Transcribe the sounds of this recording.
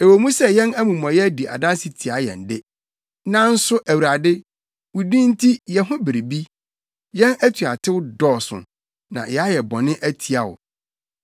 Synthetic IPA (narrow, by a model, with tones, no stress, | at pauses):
e˨wo˨mũ˦sɛ˨jɛ̃˦næ˦mũ˨m˨ã˨jɛ˦di˨a̰˨da˦si˨tʰi˨a˨jɛ̰̃˨ndɪ˦ | nã˦n̩˦sʊ˦ʔæ˨wu˨ɾa˨dɪ˦ | wʊ˨dĩ˦n̩˦tʰi˦jɛ˨ɦʊ̃˦bɪ˨ɾi˨bi˦ | jɛ̃˦næ˦tʰu˨a˨tʰɪ˦wʊ˦dɔː˦˨sʊ̰̃˨ | nã̰˨jɛ˨a˦jɛ˨bɔ̃˨nɪ̃˦ʔæ˦tʰi˨a˦ʊ̰˨